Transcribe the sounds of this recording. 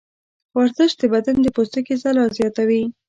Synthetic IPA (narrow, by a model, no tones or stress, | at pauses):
waɾzəʃt̪̚d̪əbad̪and̪əpost̪əkezalɑzjɑt̪awi